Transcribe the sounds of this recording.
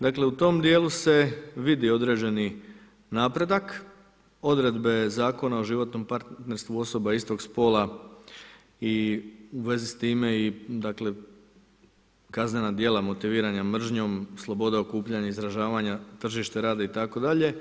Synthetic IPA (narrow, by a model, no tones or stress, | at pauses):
d̪akle̞ut̪o̞md̪je̞ːluse̞ʋid̪io̞d̪ɾe̞ːd͡ʑe̞ni | naːpɾe̞d̪ak | o̞d̪ɾe̞d̪be̞zaːko̞naoʒiʋo̞t̪no̞mpaɾt̪t̪ne̞ɾst̪ʋuo̞so̞baist̪o̞ɡspo̞ːla | iuʋe̞zist̪iːme̞id̪akle̞ | kazne̞nad̪je̞lˠamo̞t̪iʋiːɾaɲamr̩ʒɲo̞mslˠo̞bo̞d̪ao̞kuːpʎaɲaizɾaʒaːʋaɲat̪r̩ʒiʃt̪eɾaːd̪ait̪ako̞d̪aʎe̞